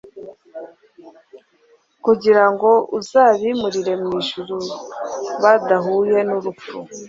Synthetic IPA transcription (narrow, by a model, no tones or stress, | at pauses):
kuɟiɾaŋɡo̞ʔuzaːβimuɾiɾe̞mŋiːʒuɾu | βadaɦuːje̞nuɾup͡fu